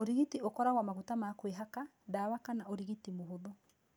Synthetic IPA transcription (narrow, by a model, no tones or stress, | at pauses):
oɾiɣitiokɔɾaɣwamaɣutamakweɦaka | daːwakanaoɾiɣitimoɦoðɔ